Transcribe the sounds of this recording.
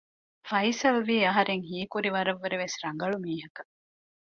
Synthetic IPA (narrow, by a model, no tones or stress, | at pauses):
fɐjsɐlʋiːɐɦɐɾeŋɦiːkuɾiʋɐɾɐʋːeɾeʋesɾɐŋ̆ɡɐɭumiːɦɐkɐ